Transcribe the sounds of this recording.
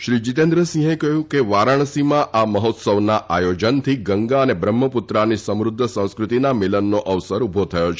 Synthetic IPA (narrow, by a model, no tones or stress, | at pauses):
ʃɾid͡ʒit̪end̪ɾəsĩɦekəɦjũkeʋaɾaɳ̃simãʔaməɦot̪səʋnaʔajod͡ʒənt̪ʰiɡəŋɡaənebɾəmːəput̪ɾanisəmɾʊd̪ʱːəsə̃w̃skɾut̪inamɪlənːoʔəʋsəɾubʱot̪ʰəjot͡ʃʰ